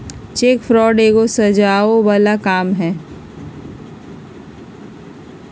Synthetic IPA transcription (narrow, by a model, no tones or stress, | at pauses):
t͡ʃeːkfɾɔːɖeːɡosɐd͡ʒaːobalakaːmɦɛː